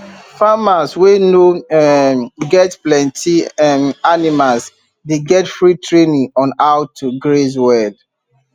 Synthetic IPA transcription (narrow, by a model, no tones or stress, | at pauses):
famasweno | ɡɛtplɛ̃ntʰianimals | deɡɛtfɹitɹenĩŋɔ̃naʊtʰːuɡɹes̬wɛd